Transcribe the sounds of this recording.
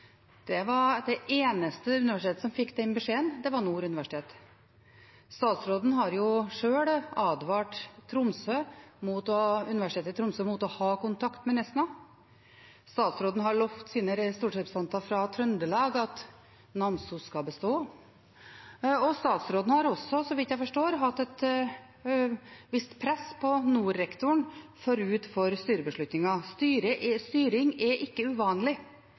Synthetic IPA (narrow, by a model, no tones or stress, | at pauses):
d̪̥ɛʋɑɾd̪ɛʔeːnəst̪əʉnɪʋæʂɪeːt̪əsɔmfɪkːd̪ɛɪnbəʂeːənd̪ɛʋɑɾnuːɾʉnɪʋæʂɪ̥t̪ʰeːt̪ | st̪ɑːt̪sɾoːd̪n̩ɦɑɾjʊʂøːɽɑːd̪ʋɑːʈt̪ʰɾʊmsømuːt̪ɔʉnɪʋæʂɪt̪ʰeːt̪ɪt̪ʰɾʊmsøːmuːt̪ɔhɑːkʊnt̪ʰɑkt̪mɛnɛsnɑ | st̪ɑːt̪sɾoːd̪n̩ɦɑɭɔft̪siːnəɾɛst̪uːʈɛɾpɾsɑnt̪ɑfɾɑt̪ʰɾœnd̪əlɑːɡɑt̪ | nɑmsuskɑbəst̪oː | ɔst̪ɑːt̪sɾoːd̪n̩hɑɾɔsːɔsɔʋɪt̪jæɪfɔʂʈoːɾɦɑt̪ːɛt̪ | ʋɪst̪pʰɾɛspʰɔnuːɾːɛkt̪ʊɳfɔɾʉːt̪fɔɾst̪yːɾəbəʂɭʉt̪nɪŋɑst̪yːɾəʔst̪yːɾɪŋɛʔɪkːəʉʋɑːnlɪ